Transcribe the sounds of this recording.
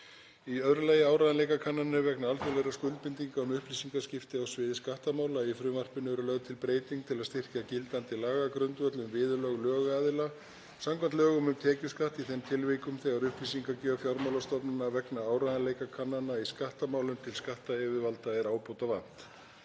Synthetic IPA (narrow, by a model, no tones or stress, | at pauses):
iœðɾʏlajɪaːwɾajðanlejkakʰanːanʏvɛknaalfɛlɛjɾaskʏlt̪̚pɪnt̪iŋkaʏmʏhpliːsiŋkascɪft̪ɪawsvɪːðɪskaht̪amaːwlaifɾʏːmar̥pɪnœðɾʏlœɣðʏt̪ʰɪlpɾeːjt̪iŋkt̪ʰɪlaðst̪ɪr̥cacɪlt̪ant̪ɪlaːɣakɾʏnt̪vœt̪lʏmvɪːðʏlœɣlœːɣaðɪla | samkʰvant̪lœːɣʏmʏmt̪ʰɛːcʏskaht̪iθɛnt̪ʰɪlveːkʏmθɛɣaɾʏhpliːsiŋkacœfjaɾmawlast̪ɔpnʏnavɛknaaːwɾaðanleːjkakʰanːanaiskaht̪amaːwlʏmt̪ʰɪlskaht̪aɛvɪvalt̪aɛɾaːwpowt̪avan̥t̪